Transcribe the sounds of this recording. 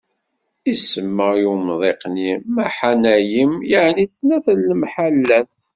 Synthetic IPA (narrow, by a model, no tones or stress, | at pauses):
isəmːəjumðˤeqnimæħanæjəmjəʕniθnæθəlːmħalːæθ